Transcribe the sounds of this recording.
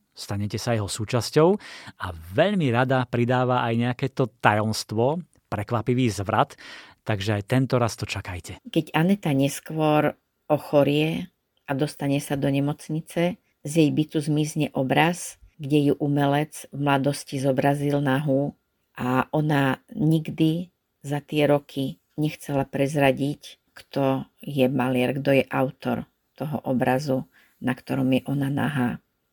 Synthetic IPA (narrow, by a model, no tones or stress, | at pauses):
st̪aɲɛcɛsajɛɦɔsuːt͡ʃascɔʊaʋɛʎmiɾad̪apɾid̪aːʋaʔajɲɛakɛːt̪ɔt̪ajɔmst̪ʋɔ | pɾɛkʋapiʋiːzʋɾat̪ː | aɡʒɛajt̪ɛnt̪ɔɾast̪ɔt͡ʃakajcɛkɛɟanɛt̪aɲɛskʋɔɾ | ɔxɔɾɪɛ | ad̪ɔst̪aɲɛsad̪ɔɲɛmɔt͡sɲit͡sɛ | zjɛjbit͡suzmizɲɛʔɔbɾazɡɟɛjuʔumɛlɛd͡zvmlad̪ɔscizɔbɾazilnaɦu | ʔaʔɔnaɲiɡd̪i | zat̪ɪɛɾɔkʰi | ɲɛxt͡sɛlapɾɛzɾaɟic | kt̪ɔjɛmalɪɛɾɡd̪ɔjɛʔaʊt̪ɔ̰ɾ | t̪ɔɦɔ̰ʔɔbɾazu | nakt̪ɔɾɔmjɛʔɔnana̰ɦaː